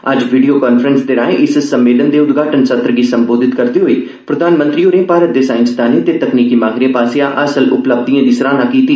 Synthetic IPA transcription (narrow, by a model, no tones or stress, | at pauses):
ə̰d͡ʒʋiːɖijoːkaːnpʰəɾənsd̪eːɾaːeʔɪssəmːeːlənd̪eːʊd̪ɡʱaːʈənsət̪ɾəɡiːsəmboːd̪ʱɪt̪kəɾd̪iːɦoiː | pɾəd̪aːnmə̃nt̪ɾiːoːɾẽːpaːɾət̪̚d̪eːsaːɪnsd̪aːniːt̪eːt̪əkniːkiːmãːɡɾẽːpaːsejãːʔəsəlʊ̰pləb̚d̪ijãːd̪iːsəɾaːnaːkiːt̪iː